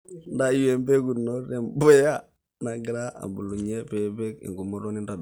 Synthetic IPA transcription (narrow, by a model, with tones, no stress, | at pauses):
nda˦je˨mbe˦ɡu˨nːo˦ɾe˨mbɔ˦ja˦ | na˨ɡi˨ɾa˦a̰˨bu˨lu˨ɲe˦pe˦be˦kḭ˨ŋɡu˨mo˦ɾo˦ni˦nda˨d